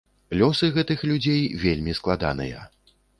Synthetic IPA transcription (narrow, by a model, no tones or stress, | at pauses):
lʲɔsɨɣɛt̪ɨxlʲud͡zʲejvʲelʲmʲisklˠad̪a̰nɨ̰jɐ̰